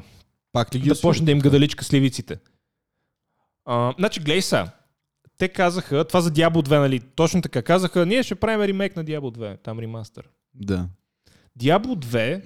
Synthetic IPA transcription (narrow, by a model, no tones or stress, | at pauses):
pakliɡʲid̪ɐpɔt͡ʃnəd̪ɐimɡɐd̪ɐlit͡ʃkəslivit̪sit̪ɛ | ənat͡ʃiɡlɛjsa̰ | t̪ɛkazəxət̪ovazɐd̪ʲjablˠʊd̪vɛnɐlit̪ɔt͡ʃnʊt̪ɐkakazəxəniɛʃɛpɾavimɛɾimɛjknɐd̪ʲjablˠʊd̪vɛt̪amɾimast̪ɛ̰ɾ | d̪a | d̪ʲjablˠʊd̪vɛ